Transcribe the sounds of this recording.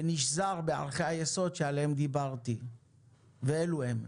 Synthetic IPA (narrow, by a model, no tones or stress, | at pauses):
niʃzaʁbea̰ʁχeajeso̞d̪ʃealeemd̪ibaʁt̪i | veeluem